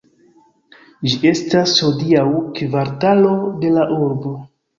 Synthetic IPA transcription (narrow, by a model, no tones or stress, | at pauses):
d͡ʒie̞stashodiawkvaɾtalo̞de̞laʔuɾbo̞